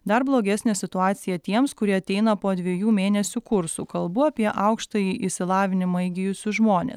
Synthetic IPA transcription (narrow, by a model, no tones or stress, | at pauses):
d̪ɐɾblˠoːɡʲɛsʲnʲeːsʲɪt̪ʊɑːt̪sʲɪjɛt̪ʲiɛmskʊɾʲiɛɐt̪ʲɛɪnɐpoːd̪ʲʋʲɛjuːmʲeːnʲɛsʲukʊɾsuːkɐlˠbʊɐpʲiɛʔɐʊkʃt̪ɐjiʔɪʃsʲɪlˠɑːʋʲɪnʲɪmɐɪɡʲɪjʊsʲʊʒmoːnʲḛːs